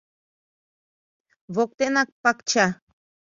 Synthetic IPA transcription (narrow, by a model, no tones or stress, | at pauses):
βok̚t̪eʔnak̚pakt͡ʃa